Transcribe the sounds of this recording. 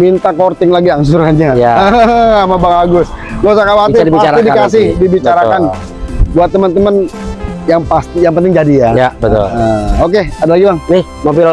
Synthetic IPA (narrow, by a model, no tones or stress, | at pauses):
mint̪akort̪ɪŋlaɡiaŋs̬urkaɲaja | amabaŋaɡʊslosakawatiidibiat͡ʃaaidikas̬ɪhdibit͡ʃaɾakan | buat̪ːəmənt̪əmənjaŋpast̪ijaŋpənt̪ɪŋd͡ʒadijajabət̪ʊ̰ləok̬eadalaɡibaŋnɪh | mobil